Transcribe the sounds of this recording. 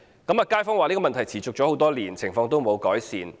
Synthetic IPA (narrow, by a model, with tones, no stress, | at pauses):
kɐ˨˥maː˧kaː˥jfɔ˥ŋwaː˨niː˥kɔː˨mɐ˨nt̪ʰjt͡sʰiː˨˩t͡sʊ˨k̚t͡ʃɔ˨˧˥o˨˧wt̪ɔː˥liː˨˩nt͡sʰɪ˨˩ŋfɔː˧ŋt̪o˥wmo˨˧wkɔː˨˥jsiː˨˧n